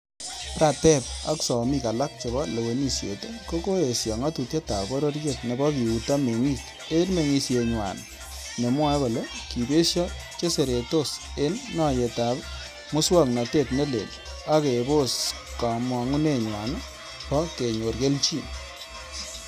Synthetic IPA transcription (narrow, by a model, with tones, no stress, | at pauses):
pɾa˨tɛ˦p̚a̰˦ksɔ˨mi˦ka˨la˦k̚t͡ʃe˨bɔ˦le˨we˨ni˨sjḛ˨te˦ko˦ko˦e˨sjɔ˨ŋa˦tu˨tje˦ta̰˨bɔ˦ɾo˦ɾje˨t̚ne˨bɔ˦ki˨u˨ta˦me˨ŋi˦˨s | e˦nme˨ŋi˧sje˧ɲwa̰˨n | ne˨mwa˦kɔ˨lo˦ki˨be˦ʃɔ˦ | t͡ʃe˦se˨ɾe˨to˦se˦nːɔ˦˨je˨ta˨p | mʊ˦swa˦kna˨te˦˨tne˦lḛ˨l | a˦ke˨bo˦s | ka˨mwa˨ŋu˦ne˦˨ɲwa˨n˦ | pɔ˦ke˨ɲo˨ɾɡe˦lt͡ʃi˦